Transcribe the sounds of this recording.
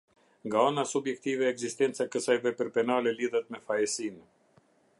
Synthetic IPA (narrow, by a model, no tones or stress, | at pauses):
ŋɡaanasubjɛk̚t̪ivɛːɡzist̪ɛnt̪t͡sakəsajvɛpəɾpɛnalɛliðɛt̪̚mɛfajɛsin